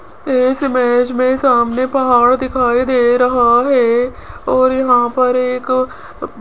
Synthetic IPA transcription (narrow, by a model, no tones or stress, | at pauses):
ɪsɪmeːd͡ʒmẽsaːmnepɐɦaːɽd̪ɪkʰaːid̪eːɾɐɦaɦɛː | ɔːɾjɐɦãpɐɾeːk